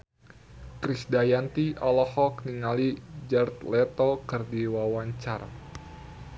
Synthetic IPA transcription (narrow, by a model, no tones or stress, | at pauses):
kɾisdajant̪iʔɔlɔhɔkniŋalid͡ʒərt̪lɛt̪okɨrdiwawaɲt͡ʃara